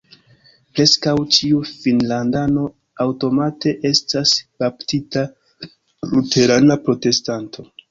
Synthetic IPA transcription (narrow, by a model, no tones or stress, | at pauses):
pɾe̞skawt͡ʃiufinlandano̞ | awto̞mate̞ʔe̞stasaptita | lute̞ɾanapɾo̞te̞stantʰo̞